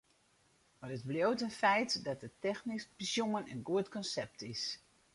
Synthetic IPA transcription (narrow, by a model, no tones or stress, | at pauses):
marətbljowtənfɛjtdɔt̚dətɛxnisbəsjuŋənənɡuətkɔnsɛp̚tʰɪs